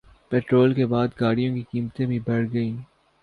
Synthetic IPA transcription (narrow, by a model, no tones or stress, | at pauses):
pɛːʈɾoːlkebaːd̪ɡaːɽijõkikiːmt̪ẽbʱĩbɐɽɡɐĩː